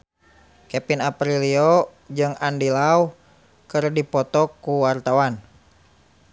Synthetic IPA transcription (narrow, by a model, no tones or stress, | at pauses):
kɛpinapɾiliɔ | d͡ʒɨŋandilau | kɨrdipɔt̪ɔkːuwart̪awan